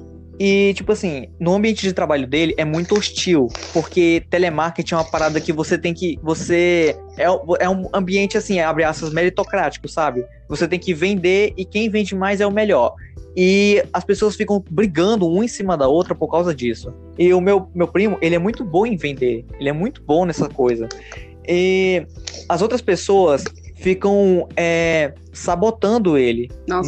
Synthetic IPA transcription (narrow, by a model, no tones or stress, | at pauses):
ɪt͡ʃipʊasĩnʊɐ̃mbiẽnt͡ʃɪd͡ʒɪt̪ɾabaʎʊd̪elɪʔɛmũj̃t̪ʊoʃt͡ʃiwpoɾket̪ɛlemaɾket͡ʃĩɛũmɐpaɾad̪ɐkɪvoset̪ẽj̃kɪvose | ɛũʔɛũɐ̃mbiẽnt͡ʃɪasĩabɾiaspɐzmeɾit̪okɾat͡ʃi̥kʊsːabɪ | voset̪ẽj̃kɪvẽnd̪eɾɪkẽj̃vẽnd͡ʒɪmajzɛʊmɛʎɔɾ | ɪɐspesoɐsfikɐ̃w̃bɾiɡɐ̃nd̪ʊũmẽsĩmɐd̪ɐowt̪ɾɐpoɾkawzɐd͡ʒisʊ | ɪʊmewmewpɾĩmʊʔelɪɛmũj̃t̪ʊbõẽj̃vẽnd̪eɾelɪɛmũj̃t̪ʊ̥bõnɛsɐkojzɐ | ɪ | ɐzowt̪ɾɐspesoɐsfikɐ̃w̃ɛ | sabot̪ɐ̃nd̪ʊelɪnɔ